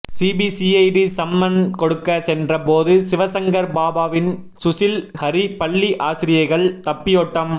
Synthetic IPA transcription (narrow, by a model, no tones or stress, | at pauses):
siːbisiɐɪɖisɐmːɐnkɔɽɯkːɐsɛndrɐpoːðɯsɪʋɐsɐŋɡɐɾbaːbaːʋɪn | sʊsɪlhɐɾipɐɭːiʔaːsɪɾɪjɐɪɣɐɭt̪ɐpːɪjɔːʈːɐm